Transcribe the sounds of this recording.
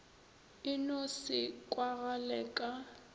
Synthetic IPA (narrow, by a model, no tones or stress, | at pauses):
ɪnɔsɪkʼwaɣalɛkʼa